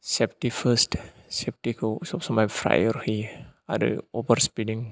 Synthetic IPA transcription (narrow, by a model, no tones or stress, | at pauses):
sɛp̚tifəst | sɛp̚tikəsɔpsɔmãfɾa̰jərhia̰də̰obərspidĩŋ